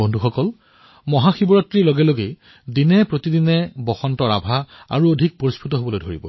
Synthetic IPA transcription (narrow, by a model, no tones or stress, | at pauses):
ondʱuxɔkɔl | mɔɦaxibɔɹɔtːɹiloɡɛloɡe | dinɛpɹotidinɛbɔxɔntɔɹa̰bʱaa̰ɹuodʱik̚poɹispʰutɔɦobɔlojdʱoɹḭbɔ̰